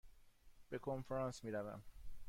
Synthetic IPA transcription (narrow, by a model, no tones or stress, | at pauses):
b̥e̞kʰonfɾɑːnsmiːɾævæ̰m